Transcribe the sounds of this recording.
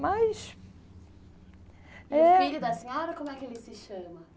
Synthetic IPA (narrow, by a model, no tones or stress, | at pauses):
majʃ | ɛfiʎʊd̪ɐsẽɲɔɾɐkõmʊɛkɪelɪsɪʃɐ̃mɐ